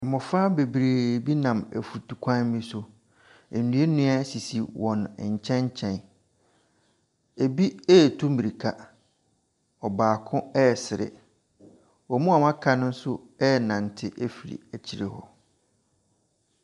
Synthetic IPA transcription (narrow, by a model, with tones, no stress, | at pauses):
mʊ̃˨faː˦be˨bɾeː˨bi˦nã˨mæ̰˨fu˨tʰu˨kʷʰã˦n˦mĩ˦sʊ˨ | e˨nũ˨˦e˦nʊ̃˦a˦si˨si˨wɔ̃˨n̰˨ɲ̩˨t͡ɕʰɛ̃˦ɲ˦t͡ɕʰɛ̃˨n | e˨bi˦ɛː˦˨tʰu˦mĩ˨ɾi˨kʰa˦ | ɔ˨baː˨kʰʊ̃˦ɛ˦˨sɪ˨ɾɪ̰˨ | ɔ˨mũ˦a˨mã˦kʰa˦nʊ̃˦n̩˦sʊ˦ | ɛ˦˨nã˨n˨tʰɪ˦ʔæ˦fi˨ɾḭ˨æ˨t͡ɕʰi˨ɾḛ˨hɔ̰˦